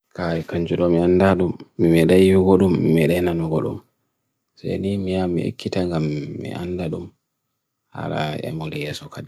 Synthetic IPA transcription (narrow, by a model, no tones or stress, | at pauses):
kaɾikaɲd͡ʒuɗɔmiandaɗumːimɛɗajiɡɔɗumːimɛɗajnanuɡɔɗṵm | sa̰jnimijamːḭʔḛkːitaŋɡamːḭʔa̰ndaɗum | ha̰ɾa̰ɛ̰mɔlijɛːsɔkadi